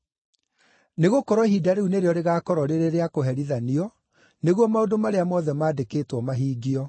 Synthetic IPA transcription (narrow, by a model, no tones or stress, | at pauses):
neɣokɔɾwɔhidaɾeuneɾeɔɾeɣaːkɔɾɔɾeɾeɾeakoɦɛɾiðaniɔ | neɣwɔmaodomaɾeamɔðɛmaːdekeːtwɔmaɦiːɡiɔ